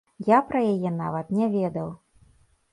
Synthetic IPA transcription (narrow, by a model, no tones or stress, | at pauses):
japɾɐjajɛn̪a̰vɐt̪nʲɛvʲɛd̪ɐw